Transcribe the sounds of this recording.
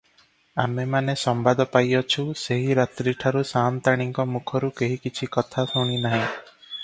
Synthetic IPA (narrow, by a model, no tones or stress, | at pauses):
amemanesɔmbad̪ɔpajɔt͡ʃʰuseɦiɾat̪ɾiʈʰaɾusant̪aɽ̃iŋkɔmukʰɔɾukeɦikit͡ʃʰikɔt̪ʰasuɽ̃inaɦĩ